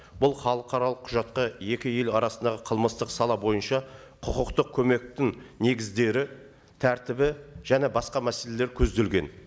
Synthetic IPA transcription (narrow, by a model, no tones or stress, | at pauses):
b̥ʊlˠχɑlˠəqʰɑɾɑlˠəqʰːʊʒɑt̪̚qɑje̞kʲɪje̞lɑɾɑsənd̪ɑʁəqʰəlˠməst̪əqsɑlˠɑbo̞jənʃɑ | qʰʊqəqt̪əq̚kʲʰɵme̞k̚t̪ɪŋne̞ɡʲɪzd̪e̞ɾɪ | t̪ʰæɾt̪ɪbɪʒ̥æne̞bɑsqɑmæse̞le̞leɾkʲʰɵzd̪e̞lɡʲe̞n